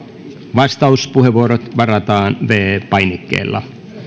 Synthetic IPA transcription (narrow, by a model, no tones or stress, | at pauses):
ʋɑst̪ɑuspuheʋuoɾot̪ʋɑrɑt̪ɑːnʋeːpɑinekːḛːlːɑ̰